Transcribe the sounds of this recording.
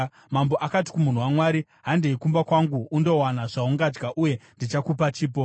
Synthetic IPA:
mamboʔakati̥kumun̤uwamwaːɾi | ɦandeikumbakwaŋɡuːndo̞wanaʐauŋɡad͡ʒɡaʔuje̞ndit͡ʃakupat͡ʃiːpo

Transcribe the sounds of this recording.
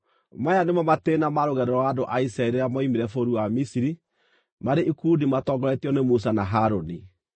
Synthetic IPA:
majanemamatenamaɾoɣɛɾɛɾɔaːdoʔaisɾaeɾeɾamɔimeɾɛfoɾuwamisiɾi | maɾeʔikuːdimatɔɡɔɾɛtiɔnemus̬anaɦaɾoni

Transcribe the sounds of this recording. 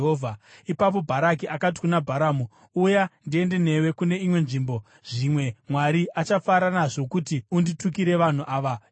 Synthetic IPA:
ɦoːvʱaipap̬o̞bʱaɾak̬iʔakat̬i̥kunabʱaɾaːmu | ujandie̞nde̞ne̞we̞kune̞imwe̞nʐiːmbo̞ | ʐ̥imwe̞mwaɾiat͡ʃafaɾanaʐo̞kutiunditukiɾe̞ʋan̤uʔaːʋa

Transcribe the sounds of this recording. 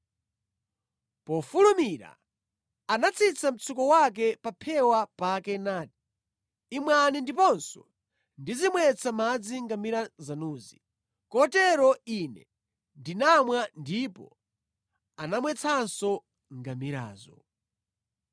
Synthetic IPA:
pɔfulumiɾa̰ | anat͡sʰit͡sʰam̩t͡sʰukɔwak̬ɛpapʰɛwapakɛnati̥ː | mwanindipɔnsɔ | ndizimwɛt͡sʰamad͡ziŋɡamiɾazanuːzi | kɔtɛɾɔinɛ̰ | ndinamwandipɔ̰ | anamwɛt͡sʰansɔ | ŋɡamiɾa̰ːzɔ

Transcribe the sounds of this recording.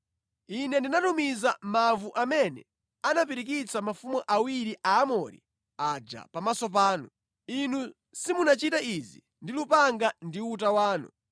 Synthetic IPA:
inɛndinatumizamavuʔamɛnɛ̰ | anap̬iɾik̬it͡sʰamafumuʔawiɾiʔaːmɔɾḭ | ad͡ʒa̰pamasɔp̬aːnu | inu | simunat͡ʃitaizḭ | ndilupaŋɡandiutawaːnṵ

